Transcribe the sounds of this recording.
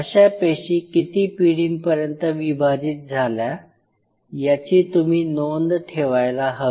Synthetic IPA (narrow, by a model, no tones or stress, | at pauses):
əɕapəɕiːkit̪iːpiɽiːnpəɾjənt̪əʋibʱad͡ʑiːt̪̚d͡zʱalja | jat͡ɕiːt̪um̤iːnond̪ʈʰeʋajlaɦə